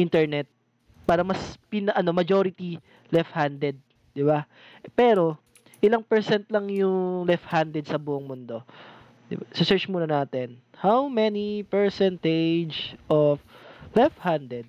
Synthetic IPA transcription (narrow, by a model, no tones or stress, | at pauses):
ʔint̪ɛɹnɛt̪̚ | paːɾɐŋmɐspɪnɐʔɐno̞mɐd͡ʒoɾɪt̪i | lɛfhand̪ɛd̪̚ | d̪ɪba | pɛːɾo̞ | ʔɪlaŋpɛɹsɛnt̪lɐŋjʊŋlɛft̪hand̪ɛd̪̚sɐbuʔoŋmʊnd̪o̞ | d̪ɪ̰basɪsɛɹt͡ʃmuːnɐnaːt̪ɛnhawmɛnipɛɹsɛnt̪ed͡ʒʔoflɛfthand̪ɛd̪̚